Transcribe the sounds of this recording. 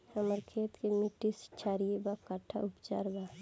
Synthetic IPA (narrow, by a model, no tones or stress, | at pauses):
səməɾkʰeːt̪kemiʈist͡ʃʰaːɾiebakəʈʰːa̰upt͡ʃa̰ːɾba